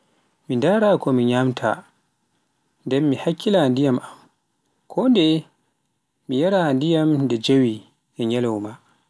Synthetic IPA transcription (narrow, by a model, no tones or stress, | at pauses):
mindaɾakɔmiɲamtʰa̰ | ndɛmːihakʰːilandijamam | kʰɔndɛ | mijaɾandijamdɛd͡ʒawi | ʔɛɲɛlɔwma